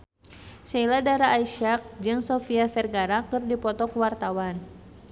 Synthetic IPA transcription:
sailadaɾaʔːiʃak̚d͡ʒɨŋsɔfiafɛrɡaɾakɨrdipɔt̪ɔkwart̪awan

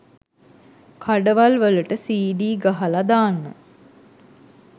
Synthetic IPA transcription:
kʰaɖəʋalʋəluʈəsiːɖiːɡaɦalad̪aːnːə̰

